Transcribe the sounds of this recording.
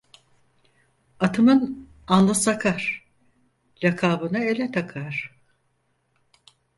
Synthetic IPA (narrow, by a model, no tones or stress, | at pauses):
at̪ʰɯmɯn | anlˠɯsakʰaɾ̥ | ɾakʰaːbɯnɯe̞lʲɛt̪ʰakʰaɾ̥